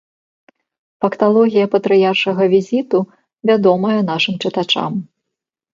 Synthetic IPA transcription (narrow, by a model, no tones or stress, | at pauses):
fɐkt̪alˠɔɣʲijɐpɐt̪ɾɨjarʂɐɣɐvʲizʲit̪u | vʲad̪ɔmɐjɐn̪aʂɨmt͡ʂɨt̪at͡ʂa̰m